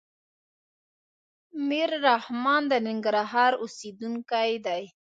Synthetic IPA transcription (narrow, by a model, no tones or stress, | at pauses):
miɾːahmɑnd̪ənɪŋɡɾaɦɑɾʊsid̪uŋkajd̪aj